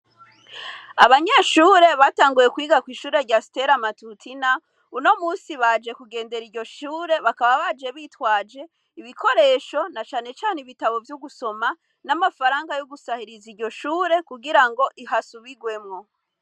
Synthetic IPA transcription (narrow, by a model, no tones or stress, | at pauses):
aβaɲeʃuːɾe̞βataːŋɡujekwiːɡakwiːʃuːɾe̞ɾɟasi̥te̞ɾamatutʰina | uno̞muːnsiβad͡ʒe̞kuɡe̞ːnde̞ɾiɾɟo̞ʃuːɾe̞βakaβaβad͡ʒe̞βiːtwaːd͡ʒe̞ | iβikʰo̞ɾe̞ːʃo̞nat͡ʃaːne̞t͡ʃaːneiβitaβo̞vjuɡuso̞ma | namafaɾaːŋɡajuɡusahiɾiziɾɟo̞ʃuːɾe̞kuɡiɾaŋɡo̞ʔiɦasuβiɡwe̞mŋo̞